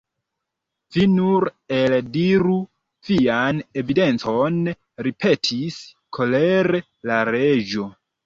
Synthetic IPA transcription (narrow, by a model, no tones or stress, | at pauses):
vinuɾeldiɾu | viane̞vide̞nt͡so̞n | ɾipʰe̞tʰis | kʰo̞leɾe | laɾed͡ʒo̞